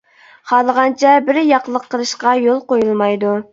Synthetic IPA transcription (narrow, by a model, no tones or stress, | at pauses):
χɑlˠəʁɑnt͡ʃʰɛbɪɾjɑqlˠəqʰːəlˠɨʃqɑjolˠqojulˠmɑjd̪u